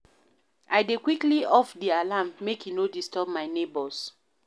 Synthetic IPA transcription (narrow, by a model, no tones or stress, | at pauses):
ʔajdekwikliɔfdialammekinodistɔb̚maɪnebɔs